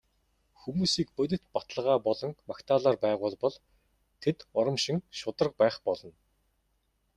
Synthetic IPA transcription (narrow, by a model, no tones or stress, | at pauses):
xumuːsiːk̚pɵt̪̬ʲɪ̆t̪pat̪ə̆ɮəʁaːpɔɮɞ̆ŋmakt̪ʰaːɮaːrpæːʁʊːɮpɔɮ | t̪ʰet̪ɔɾə̆mʃĭŋʃʊt̪ə̆rə̆q̚pæːχpɔɮɞ̆n